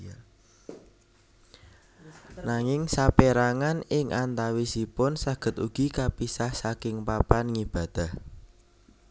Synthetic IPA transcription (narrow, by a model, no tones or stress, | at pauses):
naŋɪŋsapeɾaŋanɪŋʔant̪awisipʊnsaɡ̥ə̤t̪uɡ̥ikapisahsakɪŋpapanŋib̥a̤d̪̥a̤h